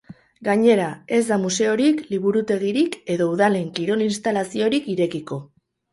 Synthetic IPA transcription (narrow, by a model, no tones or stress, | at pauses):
ɡaɲe̞ɾae̞zd̪amuse̞o̞ɾikliβ̞uɾut̪e̞ɣ̞iɾike̞ðo̞uðale̞ŋkiɾo̞linst̪alasio̞ɾikiɾe̞kiko̞